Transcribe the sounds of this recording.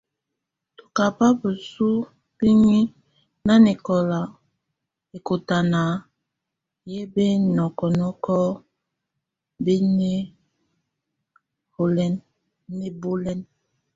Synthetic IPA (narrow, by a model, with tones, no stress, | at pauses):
tu̥˨ka˨pa˦bə˨su˦ | b̥i˦ɲi˦ | na˦ne˨kɔ˨la˨ | e˨ko˨ta˨na˨ | je˦be˦nɔ˨kɔ˨nɔ˦kɔ˦ | be˦ɲe˦ | ho˨lɛ˦nː | e˦bo˦lɛ˦n